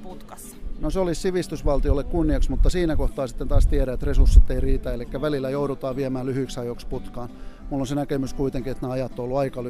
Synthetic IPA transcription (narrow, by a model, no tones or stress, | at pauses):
put̪kɑs | noseolissiʋist̪ysʋɑlt̪iolːekkunːiɑksmut̪ːɑsiːnækoht̪ɑːsi̥t̪ːent̪ɑːst̪iæɾæet̪resursːit̪ːeiriːt̪æelikːæʋælilːæjouɾut̪ɑːʋiæmæːllyhyiksɑjoksput̪kɑːnmulːonsenækemyskuit̪eŋkiet̪neɑjɑt̪ːoolːuɑikɑl